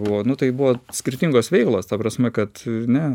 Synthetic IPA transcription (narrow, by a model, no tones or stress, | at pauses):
buʋonʊt̪ɐɪbʊʋoːsʲkʲɪɾʲt̪ʲɪŋɡoːsʋʲɛɪklˠoːst̪ɐpɾɐsʲmʲɛkɐt̪nʲɛ